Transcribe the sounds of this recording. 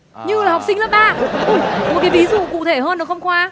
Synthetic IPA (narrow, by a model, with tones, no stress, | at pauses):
ɲɨ˧laː˨˩ha˨˩wk͡p̚sï˧ŋlə˦˥ɓaː˧˨o˧˩jmo˨˩kaː˨˦jvi˨˦zṵ˧˨kṵ˧˨t̪ʰe˧˩həː˧nɗə˨˦xə˧wŋ͡mkwaː˧